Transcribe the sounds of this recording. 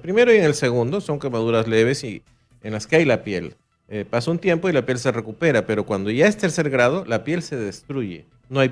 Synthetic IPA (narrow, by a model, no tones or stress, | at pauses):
pɾime̞ɾoieŋelse̞ɣund̪o̞so̞ŋkemaðuɾazle̞β̞e̞si | enlaskeajlapje̞l | epasaunt̪je̞mpo̞ilapje̞ls̬e̞re̞kupe̞ɾape̞ɾo̞kwand̪o̞ʝaest̪e̞ɾse̞ɾɣɾað̞olapje̞lse̞ðe̞st̪ɾuʝe̞̰ | no̞aj